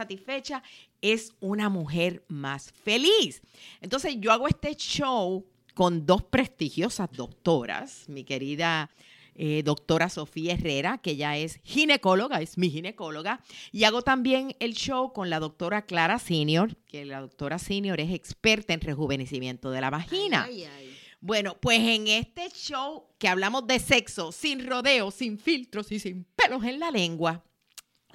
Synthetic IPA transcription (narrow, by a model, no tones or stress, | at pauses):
sat̪isfe̞t͡ʃa | e̞sunamuɦe̞ɾmasfe̞lis | ent̪o̞nse̞sʝo̞aɣoest̪e̞ʃow | ko̞nd̪o̞spɾe̞st̪ihjo̞sazd̪o̞k̚t̪o̞ɾa̰smike̞ɾiða | eðo̞k̚t̪o̞ɾaso̞fiaere̞ɾake̞ʝae̞shine̞ko̞lo̞ɣaesmihine̞ko̞lo̞ɣaiaɣo̞t̪ambje̞ŋe̞lʃo̞wko̞nlaðo̞k̚t̪o̞ɾaklaɾasinjo̞ɾkelaðo̞k̚t̪o̞ɾasinjo̞ɾe̞se̞kspe̞ɾt̪aenre̞ɦuβe̞ne̞simjẽ̞nt̪o̞ð̞e̞laβahina̰ | bwe̞no̞pwe̞se̞ŋe̞st̪e̞t͡ʃowkeaβlamo̞zd̪e̞se̞kso̞sinro̞ðe̞o̞siɱfilt̪ɾosisimpelo̞se̞nlale̞ŋɡwa